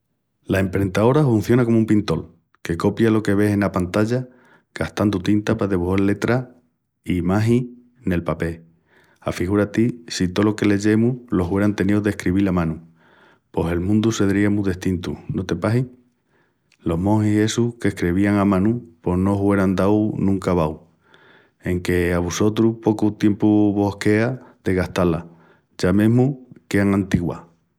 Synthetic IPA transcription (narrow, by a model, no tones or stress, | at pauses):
lae̞mpɾe̞nt̪ao̞ɾafun̟θjo̞nako̞mumpint̪o̞l | ke̞ko̞pjalo̞ke̞βe̞se̞napant̪aʎa | ɡ̥aht̪and̪ut̪int̪apaðeβuhalle̞t̪ɾa | imaɦi | ne̞lpape̞ | afiɣ̞uɾat̪isit̪o̞lo̞ke̞le̞ʝe̞mulo̞ɦwe̞ɾant̪e̞nioðehkɾiβilamãnu | po̞se̞lmũnd̪use̞ðɾiemuðeht̪int̪unot̪e̞paɦiŋ | lo̞ɦmõhie̞suke̞hkɾeβ̞iaŋamãnupo̞hnoɦue̞ɾand̪awnũŋkaβaw | e̞ŋke̞aβuso̞t̪ɾuhpo̞kut̪je̞mpuβo̞hke̞aðe̞ɣaht̪ala | ʝamẽɦmuke̞aŋãnt̪iɣwa̰